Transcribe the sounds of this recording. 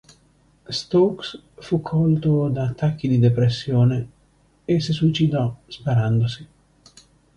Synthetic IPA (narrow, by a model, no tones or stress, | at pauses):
st̪owks | fukʰːɔlt̪od̪aːt̪ːakːid̪id̪epɾesːjoːne | esisuit͡ʃid̪ɔspaɾand̪osi